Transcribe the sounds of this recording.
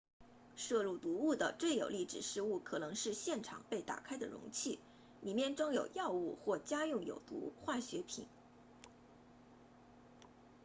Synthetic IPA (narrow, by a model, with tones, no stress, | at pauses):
ʂɤ˥˧lu˥˩t̪u˧˥u˥˩d̪ə̰˩t͡swe˥˩ɪjo˨˩ʊli˥˩ʈ͡ʂɻ̩˨˩ʂɻ̩˥˧u˥˩kʰɤ˨˩nɤ˧˥ŋʂɻ̩˥˧ɕjɛ˥˩nʈ͡ʂʰɑ̰˨˩ŋpe˥˩ɪt̪a̰˨˩kʰa˥ɪd̪ə̰˨ɻʊ̰˧˥ŋt͡ɕʰi˥˩ | li˨˩mjɛ˥˩nʈ͡ʂɤ˥ŋjo˨˩ʊjɑ˥˧ʊu˥˧xwɔ˥˩t͡ɕja˥jʊ˥˩ŋjo̰˨˩ʊt̪ṵ˧˥xwa˥˩ɕɥɛ˧˥pʰḭ˨˩˦n